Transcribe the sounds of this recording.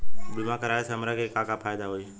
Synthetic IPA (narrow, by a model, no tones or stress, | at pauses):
bɪmãːkəɾaːesəmɾakeːkãːkaːpʰaːɪd̪aːɦoiː